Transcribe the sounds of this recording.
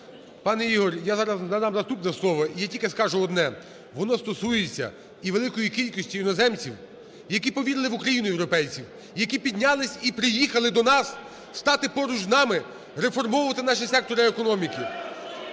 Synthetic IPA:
pɑnɛiɦɔɾʲjazɑɾɐznɐd̪ɑmzɐst̪upnɛslˠɔʋɐijatʲilʲkeskɑʒʊɔd̪nɛ | ʋɔnɔst̪ɔsujet͡sʲːɐ̰ | iʋelˠɪkɔjikʲilʲkɔsʲtʲijʊnɔzɛmt͡sʲiw | jɐkʲipɔʋʲiɾɪlˠɪʋʊkɾɐjinʊjewɾɔpɛjt͡sʲiw | jɐkʲipʲid̪ʲnʲalˠɪsʲipɾɪjixɐlˠɪd̪ɔnɑsː | t̪ɑt̪ɪpɔɾʊd͡ʒznɑmɪ | ɾefɔrmɔwʊʋɐt̪ɪnɑʃ̬ɪsɛk̚t̪ɔɾɪekɔnɔmʲiki

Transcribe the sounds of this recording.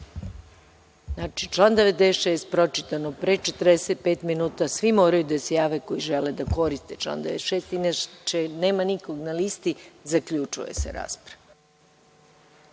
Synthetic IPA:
nat͡ʃit͡ʃlˠand̪eʋed̪d̪eʃeːst̪̚pɾo̞t͡ʃit̪anopɾet͡ʃe̞t̪ərɾd̪eset̪̚peːt̪minuːt̪asʋimo̞ːɾajud̪asjaːʋeko̞jiʒeled̪ako̞ɾist̪e̞t͡ʃlˠa̰nd̪eʋeʃeːst̪inat͡ʃeneːmaniko̞ɡnalist̪izakʎut͡ʃṵje̞̰sḛɾa̰ːspɾaʋa

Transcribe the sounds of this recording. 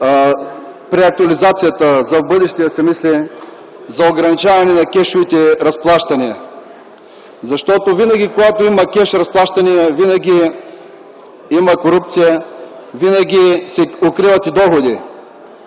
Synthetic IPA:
pɾɛɐk̚t̪uɐlizat̪sijət̪əzɐvbɤd̪ɛʃt̪ijɐsɛmisli | zɐoɡɾɐnit͡ʃavɐnɛnɐkʲɛʃʊvit̪ɛɾɐsplˠaʃt̪ɐniɐ | zɐʃt̪ɔt̪ovinɐɡʲikoɡat̪oimɐkʲɛʃɾɐsplˠaʃt̪ɐniɐvinɐɡʲi | imɐkoɾupt̪sijəvinɐɡʲisɛokɾivɐt̪id̪ɔxod̪i

